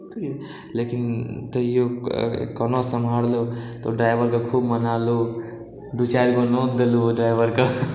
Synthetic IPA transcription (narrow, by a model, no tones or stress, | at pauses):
lekint̪əjokənosəmʱaɽlot̪o̰ɖɾajbəɾkokʰubmənalu | d̪ut͡ʃajlkonod̪eluɖɾaɪbəɾkə